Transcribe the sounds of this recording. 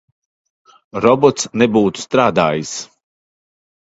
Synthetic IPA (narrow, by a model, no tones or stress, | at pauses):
ɾɔbɔt̪snebuːt̪u̥st̪ɾaːd̪aːjis